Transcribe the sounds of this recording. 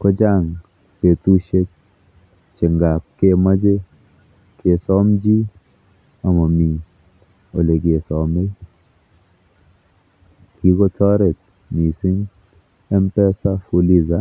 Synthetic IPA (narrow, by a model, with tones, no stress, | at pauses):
kɔ˦d͡ʒa˦˨ŋ | pe˨tu˦ʃe˦t̚ | t͡ʃe˨ŋɡa˨p̚ke˦˨ma˦d͡ʒe˦ | ke˨sɔ˦md͡ʒi˦ | a˨mɔ˨mi˨ | o˨le˨k̬e˨sɔ˨me˦ | ki˦kɔ˦tɔ˦ɾe˨t̚ | mi˨si˦ŋ | ɛ˦mpɛ˦sa˦fu˧li˦za˦